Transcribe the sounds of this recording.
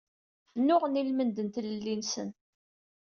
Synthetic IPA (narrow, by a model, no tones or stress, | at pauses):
nːʊʁnilmənd̪ənt̪ləlːinsə̰n